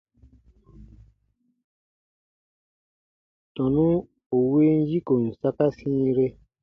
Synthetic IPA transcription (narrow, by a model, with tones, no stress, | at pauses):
tɔ̃˨nũ˦ | o˨we˦n̩˦ji˦ko˨n̩˨sa˦ka˦sĩː˦ɾe˦